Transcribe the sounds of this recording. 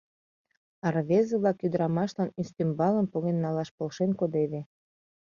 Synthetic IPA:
ɑrβezeβlɑkjyd̪əɾɑmɑʃlɑnyst̪ymbɑləmpoɣenːɑlɑʃpolʃenkod̪eβe

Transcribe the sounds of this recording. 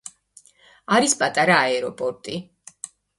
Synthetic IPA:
aɾispʼat̪ʼaɾaːɛɾɔpʼɔɾt̪ʼi

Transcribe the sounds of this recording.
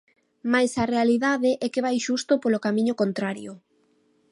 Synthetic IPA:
majsɐrealiðaðeʔɛkeβ̞ajʃust̪ʊpolokamĩɲʊkont̪ɾaɾjʊ

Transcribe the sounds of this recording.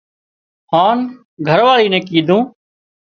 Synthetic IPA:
haːn | ɡʱəɾʋaːliːnẽːkiːd̪ʱũː

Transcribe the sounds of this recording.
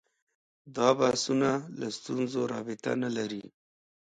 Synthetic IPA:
d̪ɑbasunalast̪unzoɾɑbɪt̪a̰nalaɾi

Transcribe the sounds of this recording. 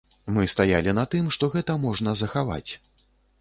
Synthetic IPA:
mɨst̪ajalʲinɐt̪ɨmʂt̪ɔɣɛt̪ɐmɔʐnɐzɐxava̰t͡sʲ

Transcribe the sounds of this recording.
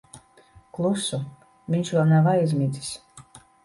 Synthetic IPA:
klˠusu | viɲʲt͡ʃvɛlˠnavajzmʲii̥s

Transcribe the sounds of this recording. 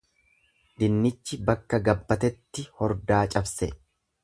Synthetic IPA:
d̪ɪnːɪt͡ʃːɪbɐkːɐɡɐbːɐt̪ɛt̪ːɪhɔɾd̪aːt͡ʃʼɐbsɛ

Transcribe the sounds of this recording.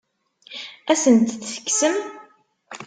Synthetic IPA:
æsənt̪θθə̥kːsəm

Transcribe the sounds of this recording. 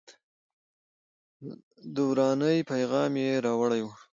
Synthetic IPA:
d̪uwɾɑnəjpajɣɑmjeɾɑwəɽajwu

